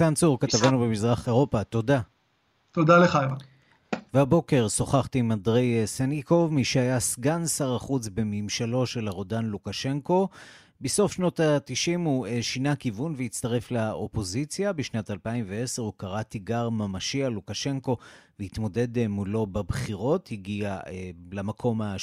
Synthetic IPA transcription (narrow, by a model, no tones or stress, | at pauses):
sansuʁkat̪avanubemizʁaχe̞ʁo̞pat̪o̞da | t̪od̪aleχajva | vehabo̞ke̞ʁso̞χaχtimandʁejseniko̞vmiʃehajasɡansaʁaχut͡sbe̞mimʃalo̞ʃe̞laʁo̞danlukaʃe̞ŋko̞ | beso̞fʃno̞tatiʃimueʃinakivunveit͡st̪aʁe̞flao̞po̞zit͡sjabiʃnatalpaimvee̞seʁukaʁat̪iɡaʁmamaʃialukaʃe̞ŋko̞vehit̪mo̞de̞dmulo̞babχiʁo̞thiɡialamakʰo̞ma